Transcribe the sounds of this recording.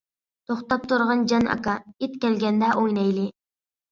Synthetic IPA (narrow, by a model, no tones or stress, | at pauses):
t̪ʰoχt̪ɑp̚t̪ʰʊɾʁɑnd͡ʒɑnʔɑ̰kɑit̪kʲælɡʲænd̪æʔojnɑjlɪ